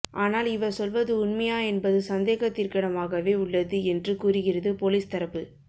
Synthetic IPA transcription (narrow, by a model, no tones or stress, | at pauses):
ʔaːnaːlɪʋɐsɔlʋɐðɯʊɳmɐjaːɛnbɐðɯsɐnd̪eːɣɐt̪ːɪrkɐɽɐmaːɣɐʋeːʊɭːɐðɯɛndrɯkuːɾɯɣɪrɐðɯpoːliːst̪ɐɾɐpːɯ